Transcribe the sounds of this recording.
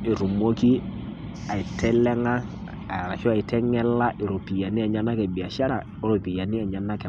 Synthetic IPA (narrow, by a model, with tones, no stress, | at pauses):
i˨ɾu˨mo˦ki˦ | a˨i˨tʰɛ˦lɛ˦ŋa˦ | a˨ɾa˨ʃɔ˦a˨i˨tːɛ˦ŋɛ˦lːa˦ʔi˨ɾo˨pi˨ja˨ni˦a˨ɲa˦na˦kɛ˨bi˨a˨ʃa˦ɾa˨ɾo˨pi˨ja˨ni˦a˨ɲa˨nːa˦kɛ˨